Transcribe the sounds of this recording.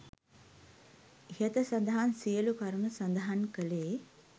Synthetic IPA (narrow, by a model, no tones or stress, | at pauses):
het̪əsand̪əɦansijəlukaɾənəsand̪ɐɦankəleː